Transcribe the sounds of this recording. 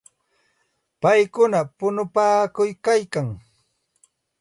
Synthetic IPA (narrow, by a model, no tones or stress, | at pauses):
pajkʊnapʊnʊpaːkʊjkajkaŋ